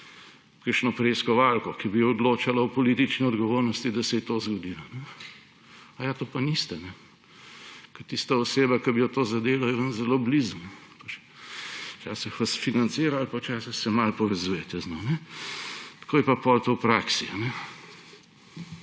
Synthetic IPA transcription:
kəɾʃnɔpɾeːskɔʋalkɔkibijɔd̪loːt͡ʃalawpɔliːt̪it͡ʃniɔd̪ɡɔʋoːɾnɔst̪id̪ɐsɛjɛt̪oːzɡɔd̪ilɔnɛ | ajat̪oːpanist̪ɛnɛ | kɐt̪ist̪aɔseːbakɐbijɔt̪oːzad̪eːlɔjɛʋənzɛloːblizunɛpat͡ʃ | t͡ʃa̰ːsixʋɐsfinant̪siːɾaalpawt͡ʃaːsixsɛmalpɔʋɛzuːjɛt̪ɛznonɛ | t̪koːjɛpapɔlt̪owpɾaːksianɛ

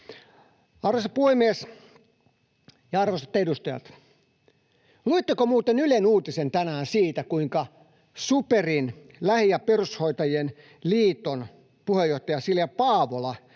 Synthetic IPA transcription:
ɑrʋosɑpuemies | jɑɑrʋosɑ̥t̪ːedust̪ɑjɑ̰t̪ | luit̪ːekomuːt̪enylenuːt̪isent̪ænæːnsiːt̪ækuiŋkɑ | superin | læhijɑperushoit̪ɑjen | liːt̪on | puhejoht̪ɑjɑsiljɑpɑːʋolɑ

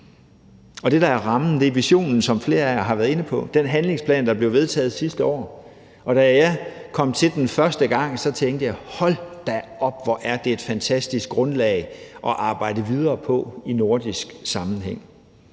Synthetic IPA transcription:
ɒ̽d̥e̝ɾɑ̈æɐʁɑ̈mn̩d̥e̝ʋiɕo̝̰ːnn̩sɒ̽mfle̝ːɐæɐɦɑ̈ʋæɐðˠe̝nəpʰɒ̽d̥enɦænle̝ŋspʰlɛ̰ːnd̥ɑ̈b̥le̝ʊʋe̝ðˠt͡sʰɛ̰ːð̞̩ˠsisd̥əɒ̰ː | ɒ̽ɾ̥æjɑ̈ɪkʰɒ̽m̰t͡sʰe̝ld̥enfɶɐsd̥əɡ̥ɑ̈ŋ̰sɒ̽t͡sʰeŋɡd̥əjɑ̈ɪhɒ̽l̰d̥æɒ̽b̥ʋɒʔæɐd̥e̝ed̥fænt͡sʰæsd̥isɡ̥̚ʁɔ̽nlɛɪʔɒ̽ʔɑ̈ːb̥ɑ̈ɪ̰dəʋið̞ˠɐːpʰɒ̽ino̝ɐd̥isɡ̥sɑ̈mn̩ɦeŋ̰

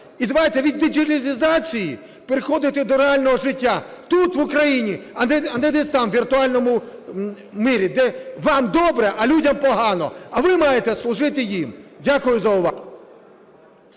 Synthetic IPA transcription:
id̪ɐʋajt̪ɛʋʲid̪ːɪd͡ʒʲilʲɪlʲɪzɑt͡sʲiji | peɾɪxɔd̪ɪt̪ɛd̪ɔɾealʲnɔɦɔʒɪtʲːat̪ut̪ʋʊkɾɐjinʲiɐnɛɐnɛd̪ɛst̪ɑmʋʲirt̪ʊɑlʲnɔmʊ | miɾʲid̪ɛʋɑmd̪ɔbɾɛʔɐlʲudʲɐmpɔɦɑnɔ̰ɐʋɪmɑjet̪ɛslˠʊʒɪt̪ɪjimdʲakʊjʊzɐʊʋɑ

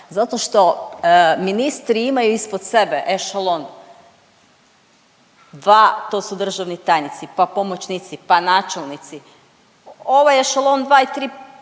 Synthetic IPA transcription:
zat̪o̞ʃt̪o̞ | minist̪ɾiimajuispod̪se̞beʔeʃalˠon | d̪ʋat̪o̞ːsud̪r̩ʒaʋnit̪ajnit̪sipapomot͡ʃnit̪sipanaːt͡ʃelˠnit̪si | oʋajeʃalˠond̪ʋaːit̪ɾiː

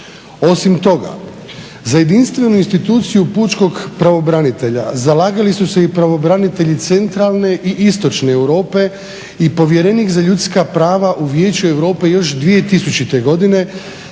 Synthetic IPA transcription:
o̞simt̪o̞ɡa̰ | zaje̞d̪inst̪ʋe̞nuinst̪it̪uːt̪sijuput͡ʃko̞ɡpɾaʋo̞bɾanit̪e̞ʎa̰zalaːɡalisuse̞ipɾaʋo̞bɾanit̪e̞ʎit̪se̞nt̪ɾalˠne̞ʔiʔist̪o̞t͡ʃne̞ːwɾo̞ːpe̞ | ipo̞ʋje̞ɾe̞nikzaʎut̪skapɾaːʋaʔuʋje̞ːt͡ɕue̞wɾo̞ːpe̞jo̞ʃd̪ʋije̞t̪isut͡ɕit̪e̞ɡo̞d̪ine̞

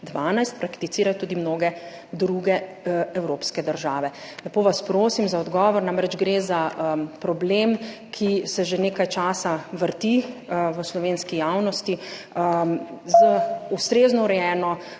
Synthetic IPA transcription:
d̪ʋaːnajst̪̚pɾakt̪it̪iːɾajɔt̪uːd̪imnoːɡɛ | d̪ɾuɡɛ | ɛwɾoːpskɛd̪əɾʒaːʋɛ | lɛpoːʋaspɾoːsimzaɔd̪ɡɔːʋɔɾnaːmɾɛd͡ʒɡɾezaəpɾɔblemkʰisɛʒeneːkajt͡ʃaːsaʋəɾt̪iʋəslɔʋeːnskijaːwnɔst̪iəzəust̪ɾeːznɔuɾɛjɛːnɔ

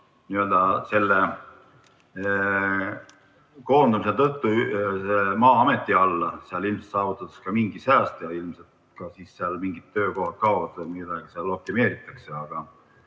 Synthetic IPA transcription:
niø̞ld̪̥ɑse̞lːe | ko̞ːnd̪umiset̪ɤt̪ːusemɑːɑme̞t̪ːiɑlːɑseɑlilmse̥t̪sɑːvut̪ːˑɑt̪u̥skɑmiŋɡ̥isæːst̪jɑilmse̞lt̪ | kɑsiːsːeɑlmiŋɡit̪ːø̞ːko̞ɦhɑt̪̚kɑovɑt̪ɑmid̪ɑɡ̥iseɑlːokt̪ːime̞ːɾit̪ˑːɑkseɑɡ̥ɑ

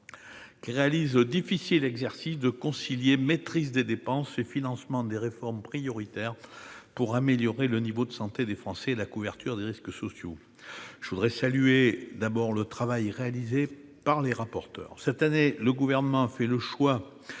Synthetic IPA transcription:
kʲiʁealizəd̪ifisilɛɡzɛʁsisd̪əkɔ̃siljemet̪χizd̪ed̪epɑ̃sefinɑ̃smɑ̃d̪eʁefɔʁmpχijɔʁit̪ɛʁpuʁameljɔʁelənivod̪əsɑ̃t̪ed̪efχɑ̃sɛlakuvɛʁt̪yʁd̪eʁisksɔsjo | ʒ̥əvud̪ʁɛsalyed̪abɔʁlət̪χavajʁealize | paʁleʁapɔʁt̪œ̰ːʁsɛt̪aneləɡuvɛʁnəmɑ̃afɛləʃwa

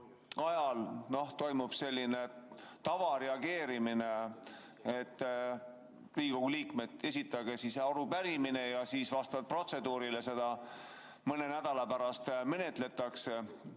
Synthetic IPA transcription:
ɑjɑlno̞ht̪o̞jmub̥se̞lʲːine̞t̪ɑvɑɾe̞ɑɡe̞ːɾimine | et̪ː | liːko̞ɡ̥uliːkme̞t̪ːe̞sʲit̪ˑːɑɡ̥esiseɑɾupæɾimine̞jɑsiːsvɑst̪ɑd̥̚pro̞t̪se̞d̪uːɾilese̞d̪̥ɑ | mɤne̞næd̪̥ɑlɑpæɾɑst̪mene̞t̪ˑle̞t̪ːˑɑkse

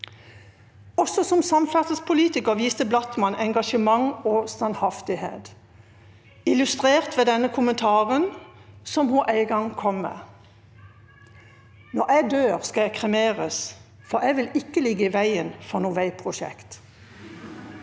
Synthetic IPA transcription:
ɔsɔsɔmsɑmfæʁt̪əspʰʊliːt̪ɪkəʁʋiːst̪əblɑt̪mɑnʔɛŋɡɑʃəmɑŋoːst̪ɑnhɑft̪ɪhḛːt̪ | ɪlʉst̪ʁeːʁt̪ʋeːd̪ɛnəkʰʊmənt̪ʰɑːʁənsɔmhuːʔæɪɡɑŋkʰɔmːḛː | nɔʁæɪd̪øːʁskɑækʰʁɛmeːʁəs | fɔʁæɪʋɪlɪkːəlɪɡːəiːʋæɪənfɔʁnuːʋæɪpʰʁʊʃɛ̰kt̪

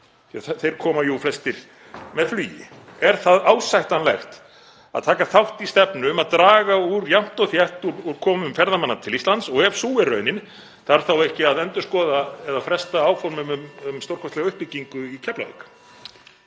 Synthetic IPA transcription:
θejɾ̥kʰɔːmajuflɛst̪ɪɾ̥ | mɛðflyːjɪ̰ɛɾ̥θaðaːwsajht̪anlɛxt̪ | a̰t̪ʰaːkaθawht̪ist̪ɛpnʏmaðt̪ɾaːɣauɾjam̥t̪ɔθjɛht̪uɾuɾ̥kʰɔːmʏmfɛɾðamanːat̪ʰɪlist̪lant̪sɔɣɛvsuːɪrœːɥnɪn | θaɾ̥θawɛhcɪaðɛnt̪ʏskɔːðaɛðafɾɛst̪aaːwfɔɾmʏmʏmʏmst̪owrkʰɛst̪lɛɣaʏhpːɪcːiŋkʏicʰɛplavḛkḁ

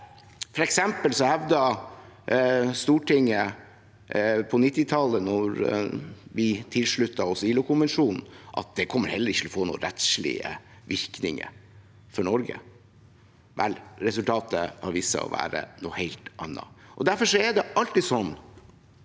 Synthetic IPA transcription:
fɔɾɛksɛmpəlsɔhɛʋd̪ɑ | st̪uːʈɪŋːə | pʰɔnɪt̪ːɪt̪ʰɑlənɔɾ | ʋɪt̪ʰɪlʂɭʉt̪ːɑɔsɪːlʊkʰʊnʋɛnʂuːnn̩ʔɑ̰t̪̚d̪ɛkʰɔmːəɾhɛlːəɾɪçːt̪ʰɪɔfoːnṵːɾɛt̪ʂɭɪ̰ə̰ | ʋɪɾknɪ̰ŋə̰ | fɔɳɔɾɡə̰ | ʋʔɛlɾɛsʉlt̪ʰɑːt̪ə̰hɑɾʋiːsə̰ɔ̰ʋæ̰ːɾə̰nṵːheɪlt̪ʔɑ̰nːɑ̰ʔɔd̪æɾfɔʂɔɛɖɛɑlt̪isɔnː

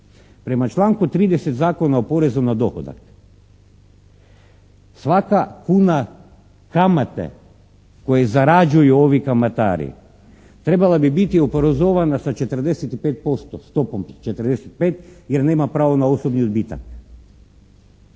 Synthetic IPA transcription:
pɾe̞mat͡ʃlˠaːŋkut̪ɾiːd̪eset̪zaːko̞naopo̞ɾe̞zunad̪o̞xo̰d̪a̰k | sʋakakuːna | kamat̪ḛ | ko̞jezaɾad͡ʒujuoʋikamat̪a̰ːɾḭ | t̪ɾe̞balˠabibit̪iopoɾozoʋanasat͡ʃe̞t̪ɾd̪eset̪ipeːt̪̚po̞st̪ost̪o̞pomt͡ʃet̪əɾd̪eset̪̚peːt̪jeɾne̞ːmapɾaːʋonaosobniobit̪a̰k

